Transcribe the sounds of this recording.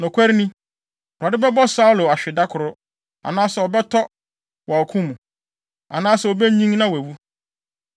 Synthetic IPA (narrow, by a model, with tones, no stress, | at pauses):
nʊ̃˨kʷʰɛ˦ɾnĩ˦ | ba˨dɪ˦bɛ˦bɔ˦sa˦u˦lo˨a˨ɕᶣɪ˨da˦kʰʊ˨ɾʊ˦ | a̰˨nãː˦sɛ˨ɔ˨bɛ˦tʰɔ˦ | wa˨ɔ˨kʰũ˦mũ˨ | a̰˨nãː˦sɛ˨o˨bɛ˦ɲĩ˦ŋnã˦wæ˨wu˦